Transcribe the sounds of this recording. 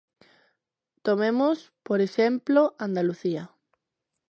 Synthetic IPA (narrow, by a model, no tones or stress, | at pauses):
t̪omẽmospoɾeʃemploʔand̪aluθia